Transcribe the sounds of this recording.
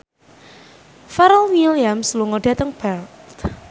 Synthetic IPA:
fɛɾəlwiliamsluŋoɖ̥a̤t̪əŋb̥ɛltt̪

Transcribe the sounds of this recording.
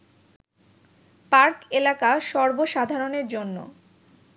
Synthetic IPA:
paɾkelakaʃɔɾboʃad̪ʱaɾoneɾd͡ʑonːo̰

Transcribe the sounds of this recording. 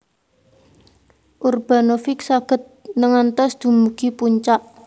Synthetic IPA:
ʔurb̥a̤nofɪksaɡ̥ə̤t̪̚nəŋant̪ɔsd̪̥ṳmuɡ̥i̤puɲt͡ʃaʔ

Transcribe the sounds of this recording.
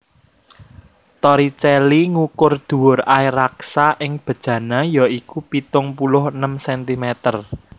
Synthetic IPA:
t̪ɔɾit͡ʃɛliŋukʊrd̪̥ṳwʊraiɾaksaʔɪŋb̥ə̤d̥ʒ̥ä̤najɔikupit̪ʊŋpulʊɦənəmsɛnt̪imɛt̪ər

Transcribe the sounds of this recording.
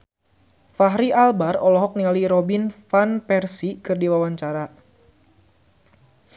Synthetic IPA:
faɦɾiʔalbarɔlɔɦɔk̚nialiɾɔbinfanpɛrsikɨrdiwawaɲt͡ʃaɾa

